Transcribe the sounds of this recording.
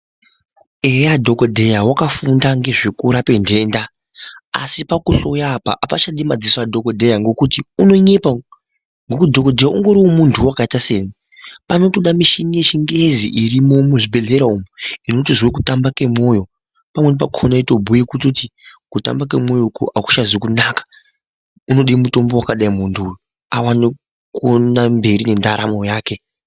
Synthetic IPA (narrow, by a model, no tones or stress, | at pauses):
ejadʱokodʱe̞jawakafundaŋɡe̞ʐekuɾape̞nde̞ːnda | a̰sipakuɬojapa̰ʔapaʃaɗimad͡ziswadʱokodʱe̞jaŋɡo̞kutiuno̞ɲe̞pa | ŋɡokudʱokodʱe̞jaʔuŋɡo̞ɾiwo̞muntʰuwakaitaseːɲi | pano̞toɗamiʃineʃiŋɡezḭʔirimo̞muʐibʱe̞ɮe̞ɾaumuino̞tizwek̬utambake̞mo̞ːjo̞ | pamwe̞nip̬akʰonaito̞bʱujekutotikuta̰mbak̬e̞mo̞jokṵʔaku̥ʃazekunakḁ | uno̞ɗimuto̞mbo̞wakaɗaimuntʰuːjo | awani | konambe̞ɾine̞ndaɾa̰mo̞jaːke̞